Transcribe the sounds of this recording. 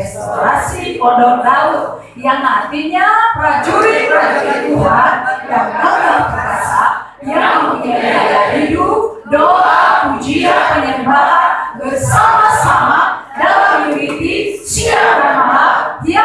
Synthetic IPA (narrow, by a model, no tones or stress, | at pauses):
st̪oɾasipɔdɔŋdaʊt̪̚ | jaŋart̪iɲapɾad͡ʒuɾipɾad͡ʒuɾit̪uɦanjaŋdɔdaŋpakasaʔ | jaŋmuɲadiajaʔidup | doapud͡ʒiapəɲəmbaɦanbərsamasama | dalamjuɾit̪isiababaia